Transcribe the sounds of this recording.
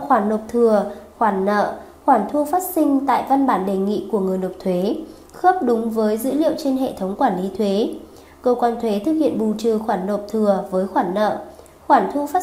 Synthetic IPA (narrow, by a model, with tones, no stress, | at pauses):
xwaː˧˩nːo˨˩p̚t̪ʰɨ˨˩əxwaː˧˩nːə̰ː˧˨ | xwaː˧˩nt̪ʰu˧faː˦˥t̚sï˧ŋ̟t̪a̰ː˧˨jva˧nɓaː˧˩nɗe˨˩ŋḭ˧˨ku˧˩əŋɨ˨˩əjno˨˩p̚t̪ʰwe˨˦ | xə˦˥p̚ɗʊ˨˦ŋ͡mvəː˨˦jzɨ̰˧˥lḭ˧˨əwt͡ɕe˧nɦḛ˧˨t̪ʰə˨˦wŋ͡mkwaː˧˩nli˨˦t̪ʰwe˨˦ | kəː˧kwaː˧nt̪ʰwe˨˦t̪ʰɨ˨˩k̚hḭ˧˨ənɓu˨˩t͡ɕɨ˨˩xwaː˧˩nːo˨˩p̚t̪ʰɨ˨˩əvəː˨˦jxwaː˧˩nːə̰ː˧˨ | xwaː˧˩nt̪ʰu˧faː˦˥